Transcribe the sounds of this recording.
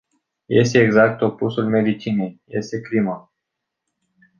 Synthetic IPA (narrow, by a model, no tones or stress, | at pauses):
jest̪eːɡzak̚t̪opusulmed̪it͡ʃinejjest̪eklimo